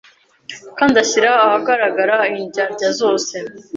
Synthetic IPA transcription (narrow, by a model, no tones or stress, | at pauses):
kaːndaçiɾaːhaɡaɾaɡaɾaiɲɟaɾɟazo̞ːse̞